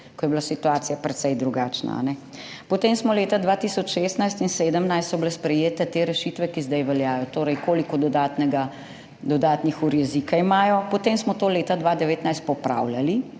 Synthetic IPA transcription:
kɔjɛblasit̪uaːt̪sijapɾɛt̪sɛjd̪ɾuɡaːt͡ʃna̰a̰nɛ | pɔt̪eːmsmɔleːt̪ad̪ʋat̪isɔt͡ʃʃeːst̪najst̪inseːd̪əmnajst̪sɔblɛspɾɛjeːt̪ɛt̪eːɾɛʃit̪ʋɛkizd̪ɛjʋɛljaːjɔt̪oːɾɛjkoːlikɔd̪ɔd̪aːt̪nɛɡa | d̪ɔd̪aːt̪nixuɾjɛzikaimaːjɔpɔt̪eːmsmɔt̪oːleːt̪ad̪ʋaːd̪ɛʋeːt̪najst̪̚pɔpɾa̰wljali

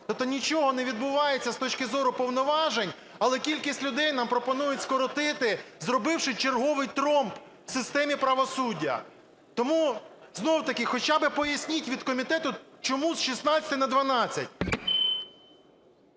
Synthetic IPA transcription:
t̪ɔp̚t̪ɔnʲit͡ʃɔɦɔneʋʲid̪bʊʋɑjet͡sʲːɐst̪ɔt͡ʃkɪzɔɾʊpɔwnɔʋɑʒenʲ | ɐlˠɛkʲilʲkʲisʲtʲlʲʊd̪ɛjnɑmpɾɔpɔnujʊtʲskɔɾɔt̪ɪt̪ɪzɾɔbɪwʃɪt͡ʃerɦɔʋɪjt̪ɾɔmp | sɪst̪ɛmʲipɾɐʋɔsudʲːɐ̰ | t̪ɔmu | znɔwt̪ɐkɪxɔt͡ʃabɪpɔjɐsʲnʲitʲʋʲid̪kɔmʲit̪ɛt̪ʊt͡ʃɔmuzʃisnɑt͡sʲɐ̥t̪ɪnɐd̪ʋɐnɑt͡sʲːɐ̰tʲ

